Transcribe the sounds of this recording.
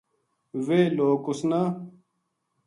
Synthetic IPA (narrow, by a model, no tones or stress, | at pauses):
weːloːkusna